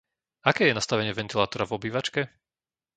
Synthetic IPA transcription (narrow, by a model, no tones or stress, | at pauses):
akɛːjɛnast̪aʋɛɲɪɛvɛnt̪ilaːt̪ɔɾavɔbiːʋat͡ʃkɛ